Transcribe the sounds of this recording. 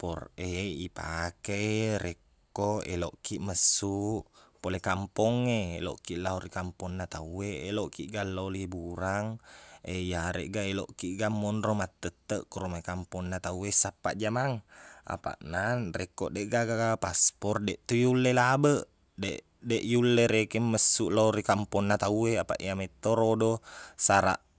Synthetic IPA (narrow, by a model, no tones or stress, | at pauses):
pɔreipa̰kejɾekː | oʔḛloʔkiʔməsuʔpolekampɔŋːḛːlo̰ʔkiʔlaɦɔɾikampɔnːat̪aueːloʔkiʔɡalːolibuɾaŋejaɾḛʔɡaeloʔkiʔɡamːonromat̪ːət̪ːəʔkuɾomakampɔnːat̪auesapːa̰ʔd͡ʒamaŋa̰pa̰ʔnanrekoʔdeʔɡaɡaɡapaspɔrdɛʔt̪ujulːelabə | dḛʔ | deʔjulːeɾekemːəsːuʔlooɾikampɔnːat̪aueapa̰ʔjamet̪ːoɾodosaɾa̰ʔ